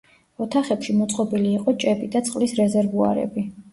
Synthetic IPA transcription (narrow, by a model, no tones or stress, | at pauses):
ɔt̪ʰaχɛpʃimɔt̪sʼqʼɔbiliːqʼɔt͡ʃʼɛbid̪at̪sʼqʼlisɾɛzɛɾvua̰ɾɛ̰bi